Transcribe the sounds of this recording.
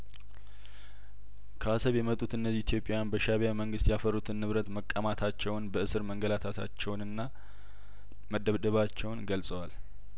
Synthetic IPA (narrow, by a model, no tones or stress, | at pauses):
kʰəasəβjɛmət̪ʼːut̪ɨnːəziit̪jo̞pʼjajanbəʃaβijaməŋɡɨst̪jafərːut̪ʰɨnːɨβɾət̪məkʼːəmat̪ʰat͡ʃːɛwnbəʔɨsɨɾməŋɡəlat̪ʰat̪ʰa̰t͡ʃːɛwnɨnːa | məd̪ːəβd̪əβat͡ʃːɛwnɡəlsʼəwal